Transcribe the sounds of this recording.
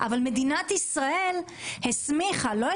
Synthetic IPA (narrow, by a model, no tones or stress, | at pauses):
ʔavalmed̪inat̪isʁae̞l | hesmiχalo̞e